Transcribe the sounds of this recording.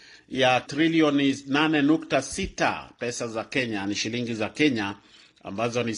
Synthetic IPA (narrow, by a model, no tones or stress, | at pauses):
jatɾiliɔninanɛnuktasita̰pɛsazakɛɲaniʃiliŋɡizakɛɲa | a̰mbazɔni